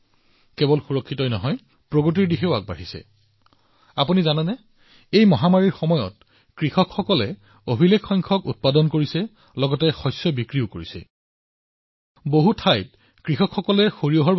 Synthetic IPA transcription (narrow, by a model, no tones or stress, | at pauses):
kɛbɔlxuɹɔkʰːitɔjnɔɦɔj | pɹoɡot̬iɹdixeʊaɡ̚ba̰ɦisɛ̰ | apunizanɛnɛ | ejmɔɦamaɹiɹxɔmɔjɔ̰t̚ | kɹixɔkxɔkɔlɛ | obʱilekʰːɔjŋkʰɔkut̚padɔnkoɹisɛ | lɔɡɔtɛxɔjsjɔbikɹiʊkoɹisɛ̰ | boɦutʰajt̚ | kɹixɔkʰxɔkɔlɛxoɹiɔɦɔɹ